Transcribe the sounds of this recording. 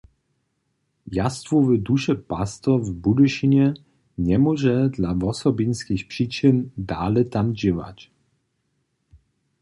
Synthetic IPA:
jast̪vɔvəd̪uʃɛpast̪ɔvbud̪ɪʃiɲɛ | ɲɛmɔʒɛd̪lavɔsɔbinskixpʂiːt͡ʃɪnd̪aːlɛt̪amd͡ʑɪva̰c

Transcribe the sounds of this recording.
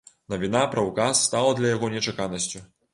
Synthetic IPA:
nɐvʲinapɾɐwkasːt̪alˠɐd̪lʲɐjaɣɔnʲɛt͡ʂakanɐsʲt͡sʲu

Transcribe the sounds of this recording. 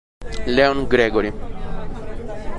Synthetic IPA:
lɛoŋɡɾɛːɡoɾi

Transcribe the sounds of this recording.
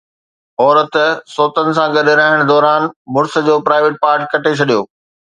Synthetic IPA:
ɔːɾət̪soːt̪ənɪ̆sãɡɐɗeɾaɦɪɽ̃d̪ɔːɾaːnmʊɾsə̆d͡ʑoːpɾaːɪʋeːʈ̚paːɾʈkɐʈʰet͡ɕʰɐɗijoː

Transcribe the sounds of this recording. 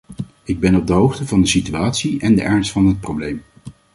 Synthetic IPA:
ɪɡ̚bɛnɔb̚dəɦowχtəvɑndəsityaːtsiɛndəʔɛɹnstfɑnɦət̚prowblejm

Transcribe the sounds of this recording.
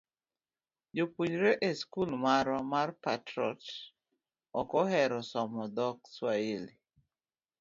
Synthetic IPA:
d͡ʒopuɲɾeʔeskulmaɾɔmarpatɾɔ̰t | ɔkɔɦɛɾɔsɔmɔd̪ɔkswaeli

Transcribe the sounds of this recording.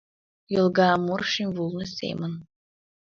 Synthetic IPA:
jəlˠɡɑːmurʃimʲvulˠnɨsʲḛmən

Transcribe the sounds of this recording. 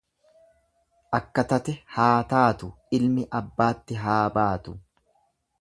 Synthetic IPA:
ʔɐkːɐt̪ɐt̪ɛhaːt̪aːt̪ʊ | ɪlmɪʔɐbːaːt̪ːɪɦaːbaːt̪ʊ

